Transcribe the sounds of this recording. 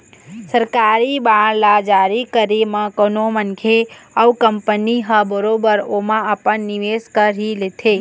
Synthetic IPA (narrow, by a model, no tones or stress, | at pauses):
səɾkaɾibaɽlad͡ʒaɾikəɾemə̃konomənkʰeəwkəmpəniɦəbəɾobəɾomãəpənːiʋeskəɾɦilet̪ʰe